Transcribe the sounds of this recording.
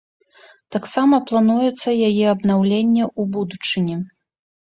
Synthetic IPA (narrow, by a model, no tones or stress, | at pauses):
t̪aksamɐplˠan̪ujɛt̪sːɐjajɛɐbnawlʲenʲːɛubud̪ut͡ʂɨnʲɛ